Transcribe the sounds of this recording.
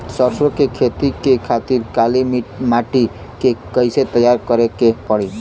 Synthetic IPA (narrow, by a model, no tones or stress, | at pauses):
səɾsokekʰet̪ikekʰat̪iɾkalimimaʈi | kekəɪset̪əjːaɾkəɾekepəɽi